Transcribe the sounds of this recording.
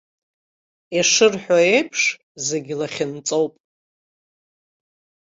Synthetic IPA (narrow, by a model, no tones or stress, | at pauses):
eʂɨrħʷaejpʰʂ | ze̞ɡʲɪlaχʲɪnt͡sʼowpʼ